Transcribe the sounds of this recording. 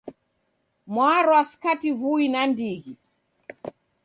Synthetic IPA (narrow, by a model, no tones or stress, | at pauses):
mwaɾɔasi̥kativuinandiɣi